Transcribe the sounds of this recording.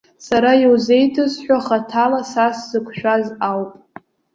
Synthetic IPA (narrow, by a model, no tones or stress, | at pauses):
saɾajiwze̞jtʰɨzħʷᶣaχatʰalasasz̥ɨkʷʰʃᶣazawpʼ